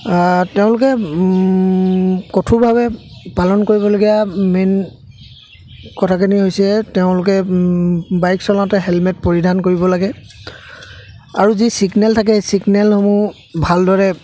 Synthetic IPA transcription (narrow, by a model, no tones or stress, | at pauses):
teʊ̃lʊkɛ | kotʰubʱabɛpalɔnkoɹibɔloɡijamen | kɔtʰakaniɦojsiɛteʊ̃lʊk̬ɛ | bajksɔlãtɛɦɛlmɛt̚poɹidʱankoɹibɔlaɡɛ | aɹuzisiɡnɛltʰak̬ɛsiɡnɛlxomu | bʱaldɔɹɛ